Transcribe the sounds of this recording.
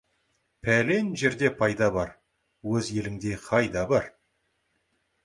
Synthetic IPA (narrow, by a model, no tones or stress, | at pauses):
pʰæle̞nʒe̞ɾd̪e̞pʰɑjd̪ɑbɑɾ | wɵzje̞lɪŋd̪e̞qʰɑjd̪ɑbɑɾ